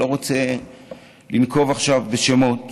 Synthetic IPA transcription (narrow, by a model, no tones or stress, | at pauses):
o̞ʁot͡se | linko̞vaχʃavbeʃemot